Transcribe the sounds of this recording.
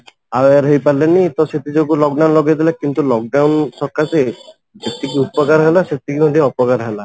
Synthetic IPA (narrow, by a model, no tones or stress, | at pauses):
aweɾɦejpaɾlenit̪ɔset̪id͡ʒokulɔk̚ɖawnlɔɡad̪ilakint̪ulɔk̚ɖawnsɔkːase | d͡ʒet̪ikiupɔkaɾɔɦelaset̪ikimɔd̪iɔpɔkaɾɦela